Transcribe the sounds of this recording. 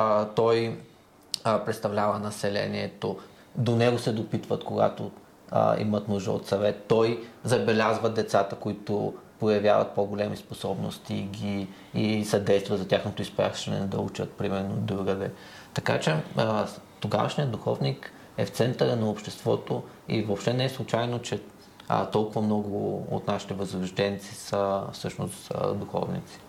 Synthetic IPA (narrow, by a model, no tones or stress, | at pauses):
t̪ɔj | pɾɛt̪st̪ɐvlʲavənɐsɛlɛ̰niɛt̪o | d̪onɛɡosɛd̪opit̪vət̪koɡa̰t̪o̰ | ḭmət̪nuʒd̪ə̰o̰t̪sɐvɛt̪t̪ɔjzɐbɛlʲazvəd̪ɛt̪sat̪əkoit̪ʊpojɐvʲjavɐ̰t̪̚poɡolɛmisposɔbno̰st̪iɡʲiː | sɐd̪ɛjst̪vɐzɐt̪ʲjaxnot̪ʊispa̰ʃɐnɛ̰d̪ɐut͡ʃət̪̚pɾimɛɾnod̪ɾuɡəd̪ɛ | t̪ɐka̰t͡ʃɛ | t̪oɡa̰və̰ʃnijəd̪d̪ʊuxɔvnik | ɛft̪sɛnt̪əɾənɐopʃt̪ɛst̪vɔ̰t̪o | ḭvopʃt̪ɛnɛɛslˠut͡ʃajnot͡ʃɛ | t̪ɔlˠkʊvɐmnɔɡʊo̰t̪naʃi̥t̪ɛvəzɾɐʒd̪ɛnt̪sisəfsɤʃno̰st̪d̪uxɔ̰vnḭt̪si̥